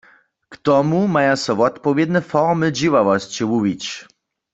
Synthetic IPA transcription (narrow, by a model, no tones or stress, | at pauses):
kt̪ɔmumajasɔvɔt̪pɔvjɛd̪nɛfɔʁmɨd͡ʑiwavɔst͡ɕiwuvit͡ɕ